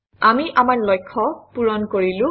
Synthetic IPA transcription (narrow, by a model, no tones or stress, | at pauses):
amiʔamaɹlɔjkʰːɔpuɹɔnkoɹilʊ̃